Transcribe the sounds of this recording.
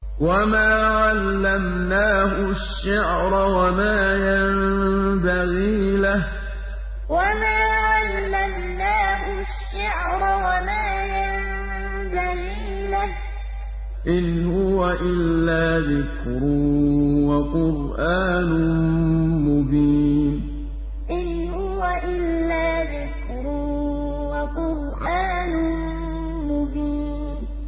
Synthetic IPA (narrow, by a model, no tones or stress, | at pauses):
wamaːʕalːamnaːhʊʃːaʕɾˤawamaːjambaɣiːlah | wamaːʕalːam | naːhʊ | ʃːaʕɾˤɑwamaːja | m | baɣiː | lah | ʔɪnhʊwaʔɪlːaːðɪk | ɾʊwaqʊɾʔaːnʊ | mʊbiːn | ʔɪn | hʊwaʔɪlːaːðɪk | ɾʊ | waqʊɾ | ʔaːnʊ | mʊbiːnn